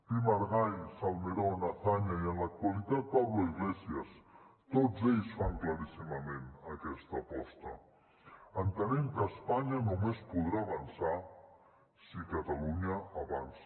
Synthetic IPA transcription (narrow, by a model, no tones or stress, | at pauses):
pimaɾɣajsalmeɾonaθaɲaiənlak̚t̪walit̪at̪̚paβloiɣlɛsjəst̪od͡zeʎsfaŋklaɾisimamẽnakɛst̪apɔst̪ɐ̰ | ənt̪ənemkəspaɲanumespuðɾaːβansa | sikat̪aluɲaaβa̰ns